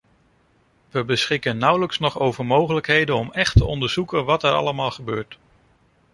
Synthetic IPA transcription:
ʋəbəsχɪkənːʌwləksnɔχowvəɹmowχələkɦejdənɔmɛχtəʔɔndəɹz̥ukənʋɑtɛɹɑ̰ləmaːlˠχəbøːɹt

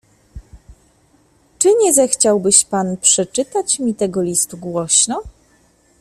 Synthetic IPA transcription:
t͡ʂɘɲɛzɛxt͡ɕawbɘɕpanpʂɛt͡ʂɘt̪at͡ɕmʲit̪ɛɡɔlʲist̪uɡwɔɕnɔ

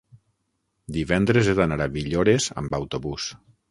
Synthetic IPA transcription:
d̪iβɛnd̪ɾezeðanaɾaβiʎoɾeza̰mbawt̪oβus

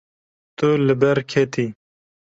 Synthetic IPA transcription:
t̪uləbɛɾkʰet̪ʰiː

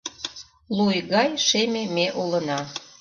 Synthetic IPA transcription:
lujɣɑjʃememeʔolə̆nɑ

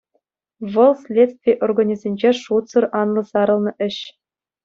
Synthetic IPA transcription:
ʋɤ̆lˠsʲlʲet̪st̪ʲvʲijʔorɡonʲizʲenʲd͡ʑeʂut̪sɤ̆rʔɑnlˠɤ̆sɑɾɤ̆lˠnɤ̆ʔɘ̆ɕ

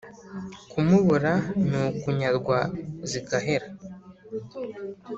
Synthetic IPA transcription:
kʰumuβuɾanukuɲaɾɡwazikaɦe̞ɾa

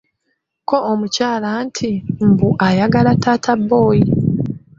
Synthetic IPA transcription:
ko̞omucaːlantʰim̩buʔajaɡalatʰaːtʰabːo̞ːji

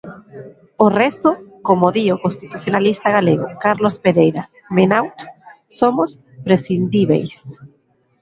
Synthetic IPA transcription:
orɛst̪ʊkomoðiokõnst̪it̪uθjonalist̪aɣaleɣʊ̰kaɾlospeɾejɾa | menawt̪somos | pɾesind̪iβḛjs

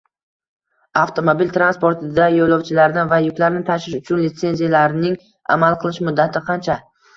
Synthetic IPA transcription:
aft̪ʰo̞mobilʲt̪ʰɾanspo̞ɾt̪ʰɪd̪ajolˠɒwt͡ʃʰɪlaɾnɪvajʊkʲlaɾnɪt̪ʰaʃɪʃʊt͡ʃʰʊnlɪt̪se̞nzijalaɾnɪŋ | a̰malˠqʰɨlˠɪʃmʊd̪ːat̪ʰɪqʰɑnt͡ʃʰa

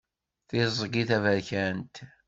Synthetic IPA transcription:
θɪzˤəɡiθævəɾçænt̪

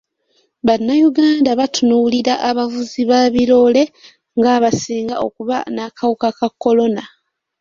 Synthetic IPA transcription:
βanːajuɡaːndaβatunuliɾaʔːβavuziβaːβiɾo̞le̞ | ŋɡaːβasiːŋɡaʔo̞kuβanakʰawukakakːo̞lo̞na

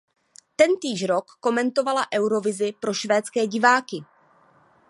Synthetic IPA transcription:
t̪ɛnt̪iːʒɾo̞kːo̞mɛnt̪o̞valaʔɛwɾo̞vɪzɪpɾo̞ʃvɛːt̪t͡skɛːɟɪvaːkɪ

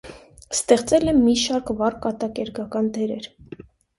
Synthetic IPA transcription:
st̪ɛχt͡sɛlɛmːiʃɑɾkvɑrkːɑt̪ɑkɛɾɡɑkɑnd̪ɛɾɛ̰ɾ

